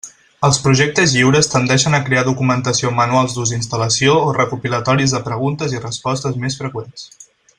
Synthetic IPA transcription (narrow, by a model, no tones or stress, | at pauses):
əlˠspɾuʒɛk̚t̪əzjiwɾəst̪ənd̪ɛʃənəkɾeaðukumənt̪əsiomənualˠzðuzinst̪ələsioːrəkupilət̪ɔɾizðəpɾəɣ̞unt̪əzirəspɔst̪əzmesfɾəkwens